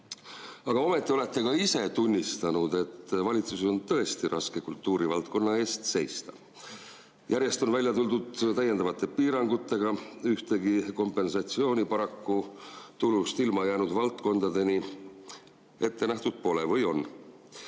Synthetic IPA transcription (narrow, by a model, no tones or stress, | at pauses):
ɑɡ̥ɑo̞me̞t̪ːˑio̞le̞t̪ːe̞kɑise̞t̪unʲːist̪ɑnud̪̥e̞t̪ːvɑlʲit̪suse̥o̞nt̪ɤ̞e̞st̪iɾʔɑske̞kult̪ːˑuːɾivɑlt̪̚ko̞nːɑe̞ːst̪se̞jst̪ɑ̥ | jʔæɾje̞st̪o̞nvælʲjɑt̪uld̪ud̪t̪æjed̪̥ɑvɑt̪ːˑe̞piːɾɑŋɡ̥ut̪ːˑe̞ɡ̥ɑyht̪e̞ɡiko̞mpːˑe̞nsɑt̪sio̞ːnʲipɑɾɑkːut̪ulust̪ilmɑjæːnud̪vɑlt̪ko̞nd̪̥ɑd̪e̞ni | e̞t̪ːe̞næht̪ud̪̥̚po̞le̞vɤjo̞nː